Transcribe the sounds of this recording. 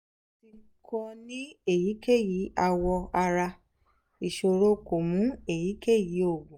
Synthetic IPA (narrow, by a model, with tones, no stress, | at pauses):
ti˧˦kɔ˧nĩ˦e˦˨ji˨˦ke˦˨ji˨˦a˧wɔ˧a˧ɾa˧ | i˨ʃo˧ɾo˦ko˨mũ˨˦e˦˨ji˨˦ke˦˨ji˨˦o˦˨ɡũ˨